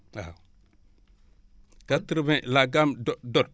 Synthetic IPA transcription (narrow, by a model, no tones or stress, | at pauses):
a | katəɾvelaɡamdodod